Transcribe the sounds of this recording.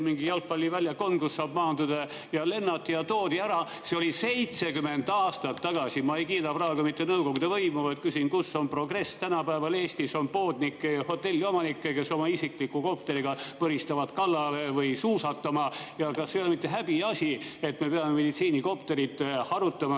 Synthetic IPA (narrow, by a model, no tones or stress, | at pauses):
miŋɡijɑlk̚pɑlʲːivælʲjɑko̞nkusːɑːbmɑːnd̪ud̪̥ɑ | jɑle̞nːɑt̪ːijɑt̪o̞ːd̪iæɾɑ | seo̞lʲise̞jt̪se̞kyme̞nd̪ɑːst̪ɑt̪ːɑɡ̥ɑsimɑejkiːt̪ɑprɑːɡ̥ɑmit̪ːenɤwko̞ɡud̪eɑvɤimuvɑjt̪̚kysinkuso̞npro̞ɡre̞st̪ænɑpæevɑleːsʲt̪iso̞npo̞ːd̪nikːejɑho̞t̪ːe̞lʲːio̞mɑnikːeke̞so̞mɑisiklikːˑuko̞pt̪e̞ɾiɡ̥ɑpɤhist̪ɑvɑt̪kɑlːɑlevɯjsuːsɑt̪ːˑɑmɑjɑkɑsːejolmit̪ːe̞ɦæb̥iɑsʲie̞t̪me̞pe̞ɑmeme̞d̪̥it̪siːniko̞pt̪e̞ɾit̪hɑɾut̪ːˑɑmɑ